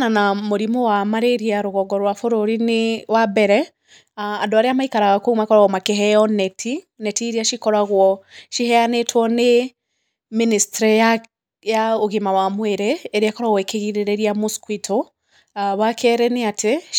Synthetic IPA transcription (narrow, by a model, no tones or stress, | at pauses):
nanamoɾimowamaɾeɾiaɾoɣɔɡɔɾwafoɾoɾinewabɛɾɛ | andoaɾeamaikaɾaɣakoumakɔɾaɣɔmakeɦɛjɔnɛtʰi | nɛtiɾiaʃikɔɾaɣwɔʃihɛanetʰwɔne | ministɾia | jaoɣimawamweɾeːɾeakɔɾaɣwekeɣiɾeɾeɾiamoskwitʰo | βakʰɛɾɛneatʰe